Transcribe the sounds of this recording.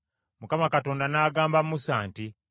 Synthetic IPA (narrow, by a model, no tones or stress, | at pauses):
mukamakato̞ːndanaːɡaːmbammusaːnti